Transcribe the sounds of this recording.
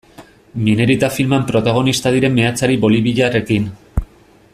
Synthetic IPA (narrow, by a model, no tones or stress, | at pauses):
mine̞ɾit̪afilmampɾo̞t̪aɣ̞o̞nist̪aðiɾe̞mːe̞at͡saɾiβo̞liβiʎare̞kin